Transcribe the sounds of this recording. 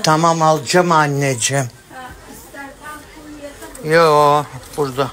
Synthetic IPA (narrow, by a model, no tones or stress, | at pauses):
t̪ʰamamalˠd͡ʒamanʲːed͡ʒem | joːb̥uɾd̪a